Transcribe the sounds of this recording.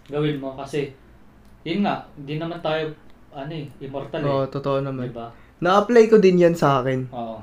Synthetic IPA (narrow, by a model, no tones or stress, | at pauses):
ɡɐwɪnmo̞kɐsɛ | jʊnŋaʔhɪ̃nd̪inɐmant̪aːjo | ʔɐnoɛʔɪmoɾt̪aloːʔot̪ot̪oʔonɐmanɪbaː | ɐʔɐplajkod̪ɪnjansɐʔaːkɛnʔoʔo